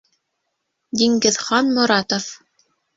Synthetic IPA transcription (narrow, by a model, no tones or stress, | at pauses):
d̪ʲiŋɡɘ̆ðχɑnmŏɾɑt̪of